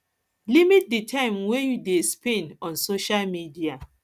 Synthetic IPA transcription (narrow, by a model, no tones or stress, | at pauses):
limit̚ditʰãɪ̃mwejudespẽnɔ̃nsoʃalmidia